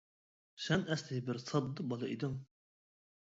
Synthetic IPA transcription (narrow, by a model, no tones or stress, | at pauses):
sɛnɛslɪɦɪbɪɾsɑd̪ːɨbɑlˠɑḭd̪ɨŋ